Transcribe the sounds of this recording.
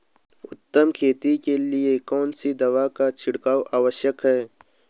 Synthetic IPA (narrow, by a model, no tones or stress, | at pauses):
ʊt̪ːəmkʰeːt̪ikeliekɔːnsid̪ɐwaːkat͡ʃʰɪɽkaːwʔaːwəʃəkɦɛː